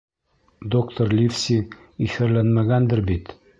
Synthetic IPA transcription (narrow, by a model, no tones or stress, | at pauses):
d̪okt̪oɾlʲifsʲi | ifɘɾlænmæɡænd̪ɘɾbit̪